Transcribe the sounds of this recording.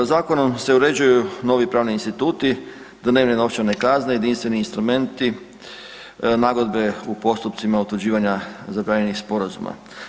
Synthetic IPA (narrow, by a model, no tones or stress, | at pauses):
zaːko̞no̞mse̞uɾe̞d͡ʑujuno̞ʋipɾaːʋniːnst̪it̪uːt̪i | d̪ne̞ːʋnenopt͡ɕane̞kazneje̞d̪inst̪ʋe̞niːnst̪ɾume̞nt̪i | naɡo̞d̪be̞upo̞st̪up̚t̪simaut̪ud͡ʑiːʋaɲazabɾaːɲe̞nixspo̞ɾazṵma̰